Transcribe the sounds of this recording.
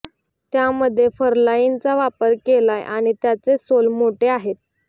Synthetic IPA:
t̪jaməd̪ʱːjefəɾlaint͡saʋapəɾkelajʔaɽ̃it̪jat͡sesolmoʈeaɦet̪̚

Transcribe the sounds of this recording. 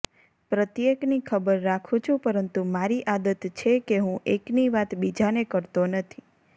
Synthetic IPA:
pɾət̪jeknikʰəbəɾːakʰũt͡ʃʰũpəɾənt̪umaɾiʔad̪ət̪t͡ʃʰekeɦũʔekniʋat̪bid͡ʒanekəɾt̪onət̪ʰi

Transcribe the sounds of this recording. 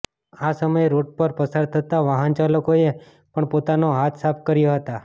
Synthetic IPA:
asəməjeɾoʈ̚pəɾpəsaɾt̪ʰət̪aʋaɦənt͡ʃaləkoe | pəɳpot̪anoɦat̪ʰsap̚ʰkəɾjoɦət̪a

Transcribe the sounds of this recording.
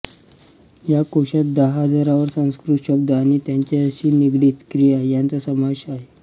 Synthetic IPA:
jakoɕat̪̚d̪əɦɦəd͡zaɾaʋəɾsə̃w̃skɾut̪ɕəb̚d̪əaɽñit̪jaɲt͡ɕeəɕiːniɡɽiːt̪kɾijajant͡sasəmaɕaɦe

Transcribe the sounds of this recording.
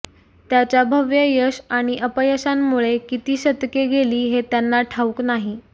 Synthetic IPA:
t̪jat͡ɕabʱəʋjəjəɕaɽ̃iʔəpəjəɕamːuɭekit̪iːɕəd̪keɡʱeliːɦet̪janːaʈʰauknaɦi

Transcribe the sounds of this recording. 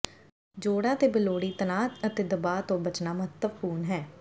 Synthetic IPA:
d͡ʒoːɽaːt̪eːbɪloːɽiːt̪ənaːt̪ət̪eːd̪əbaːt̪õːbət͡ʃnaːməɦət̪ːəʋkuːnɦɛː

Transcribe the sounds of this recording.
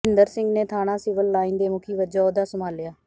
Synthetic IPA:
ɪnd̪əɾsɪŋɡneːt̪ʰaːɽ̃ãːsɪːʋəlːaːĩːnd̪eːmʊkʰiːʋəd͡ʒaːoːd̪aːsəmaːlɪjaː

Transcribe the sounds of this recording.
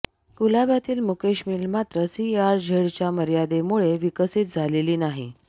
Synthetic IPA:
ɡulabjat̪iːlmukeɕmiːlmat̪ɾəsiaɾd͡ʑʱeɽt͡ɕjaməɾjad̪emuɭeʋikəsit̪̚d͡zʱaleliːnaɦḭ

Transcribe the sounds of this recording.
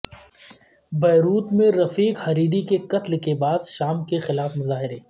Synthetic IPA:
bɛːɾuːt̪mẽɾɐfiːkxɐɾiːɾikekɐt̪lkebaːd̪ʃaːmkexɪlaːfmʊzaːɦɪɾeː

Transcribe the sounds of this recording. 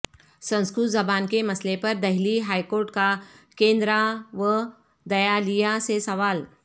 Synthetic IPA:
sɐ̃nskɾut̪zɐbaːnkemɐslepɐɾd̪ɐɦliɦaːikoːɾʈkakẽːnd̪ɾaʋə | d̪ɐjalijasesɐʋaːl

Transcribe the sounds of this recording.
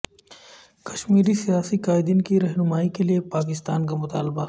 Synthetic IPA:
kɐ̥ʃmiːɾisijaːsikaːɪd̪iːnkiɾɛɦnʊmaːikelijepaːk̬ɪst̪aːnkamʊt̪a̰ːlba

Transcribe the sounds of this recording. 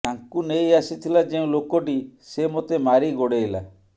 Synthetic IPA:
aŋkunejasit̪ʰilad͡ʒeũlokɔʈisemot̪emaɾiɡoɽela

